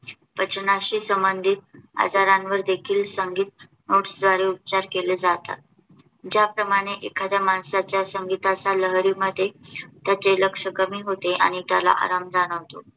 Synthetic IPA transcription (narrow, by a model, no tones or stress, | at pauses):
pət͡ɕnaɕiːsəmbənd̪ʱit̪̚a̰d͡zaɾãnʋəɾd̪ekʰiːlsəŋɡiːt̪̚ | noʈsd͡z̪ʋaɽeup̚t͡ɕaɾkeled͡zat̪a̰t̪̚ | d͡ʑjapɾəmaɽ̃eʔekʰad̪jamaɳsat͡ɕjasəŋɡit̪at͡saləɦɾiːməd̪ʱːjet̪jat͡seləkʂəkəmiːɦot̪eʔa̰ɽ̃it̪jala̰ʔa̰ɾamd͡zaɽ̃əʋt̪o̰